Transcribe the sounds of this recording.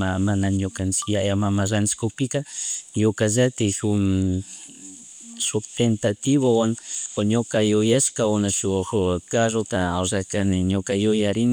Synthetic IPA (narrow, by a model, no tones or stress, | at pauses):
amanaɲokant͡sɪjajamamaɾant͡ʃɪ̥kokpɪkajokazat̪ɪsʊm | sʊt̪ent̪at̪iβowankoɲokajʊjaskaʊnaʃʊxkaɾot̪aawzakanɪɲokajʊjaɾɪn